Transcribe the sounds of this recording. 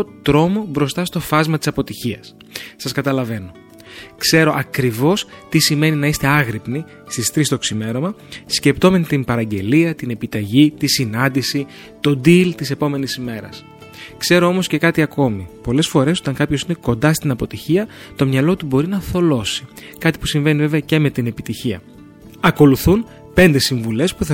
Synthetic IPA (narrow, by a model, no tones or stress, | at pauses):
ot̪ɾo̞mo̞bɾo̞st̪ɐst̪o̞fɐzmɐt̪i̥sɐpo̞t̪içiɐs | sɐskɐt̪ɐlɐve̞no̞ | kse̞ɾo̞ʔɐkɾivo̞st̪isime̞ninɐist̪e̞ɐɣɾipni | st̪ist̪ɾist̪o̞ksime̞ɾo̞mɐsce̞pt̪o̞ment̪impɐɾɐɲɟe̞liɐt̪ine̞pit̪ɐʝit̪isinɐnd̪isi | t̪o̞d̪ilt̪ise̞po̞me̞nisime̞ɾɐ̰s | kse̞ɾo̞o̞mo̞sce̞kɐt̪iɐko̞mipo̞le̞sfo̞ɾe̞so̞t̪ɐŋkɐpço̞sine̞ko̞nd̪ɐst̪inɐpo̞t̪içiɐ | t̪o̞mɲɐlo̞t̪ubo̞ɾinɐθo̞lo̞si̥ | kɐt̪i̥pusiɱve̞nive̞ve̞ɐce̞me̞t̪ine̞pit̪içiɐ̰ | ɐko̞luθun | pe̞nd̪e̞siɱvule̞spuθɐ